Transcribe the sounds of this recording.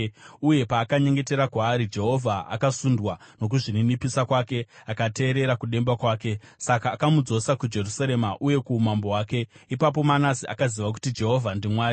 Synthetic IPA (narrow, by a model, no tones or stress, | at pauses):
uje̞paːkaɲe̞ŋɡe̞te̞ɾakwaːɾid͡ʒe̞ɦo̞vʱaa̰kasundwa | no̞k̬uʐininipisakwaːke̞akate̞ːɾe̞ɾakuɗe̞mbakwaːke̞sakaːkamud͡zo̞sakud͡ʒe̞rusaɾe̞maʔuje̞kumambo̞ɦwaːke̞ipap̬o̞manasiʔa̰kaziʋak̬u̥tid͡ʒe̞ɦo̞vʱandimwaːɾi